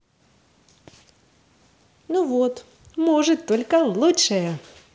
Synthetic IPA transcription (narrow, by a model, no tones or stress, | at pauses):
nuʋɔt̪ | mɔʐɨt̪ːɔlʲkɐlˠutʂɛjɛ